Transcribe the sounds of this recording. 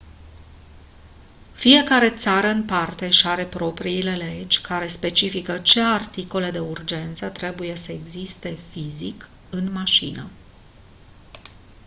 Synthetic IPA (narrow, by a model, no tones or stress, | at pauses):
fije̞kaɾe̞t̪saɾəɨnpart̪e̞ʃaɾe̞pɾo̞pɾiːle̞le̞d͡ʒʲkʰaɾe̞spe̞t͡ʃifikət͡ʃe̞art̪iko̞le̞d̪e̞urd͡ʒe̞nt̪sət̪ɾe̞buje̞səeɡzist̪e̞fizik | ɨnmaʃḭnə̰